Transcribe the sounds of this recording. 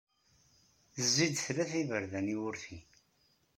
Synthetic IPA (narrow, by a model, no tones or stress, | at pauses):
zːid̪θlæθivəɾðæniʊɾθi